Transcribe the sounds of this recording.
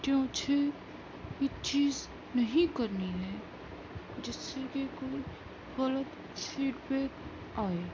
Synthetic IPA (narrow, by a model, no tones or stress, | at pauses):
kjõːt͡ʃʰe | jet͡ʃiːz | nɐɦĩkɐɾniɦɛ | d͡ʒɪsːekekoːi | ɣɐlət̪ | siːʈbɛːk | aːeː